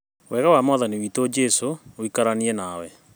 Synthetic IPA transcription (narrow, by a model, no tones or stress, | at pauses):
wʔɛɣawamɔðaniwiːtod͡ʒɛsooikaɾaniɛnawɛ